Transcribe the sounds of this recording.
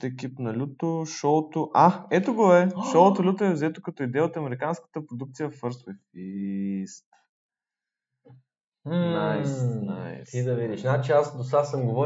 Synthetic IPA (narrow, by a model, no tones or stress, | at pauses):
t̪ɛkipnɐlʲut̪oʃɔt̪oʔaɛt̪oɡoɛʃɔot̪olʲut̪oɛvzɛt̪okɐt̪ɔid̪ɛjəot̪ɐmɛɾikanskə̥t̪əpɾod̪uk̚t̪sijəfəɾsfist̪ | ajna̰jt̪id̪ɐvid̪iʃɛnat͡ʃɛasd̪osasəmɡovɔ